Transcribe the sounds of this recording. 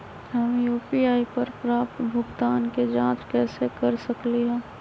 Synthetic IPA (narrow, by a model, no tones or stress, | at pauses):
ɦɐmjuːpiaːipɐɾpɾaːpt̪bʱʊɡt̪aːnked͡ʒãːt͡ʃkɛːsekɐɾsɐkleɦɛ̃ː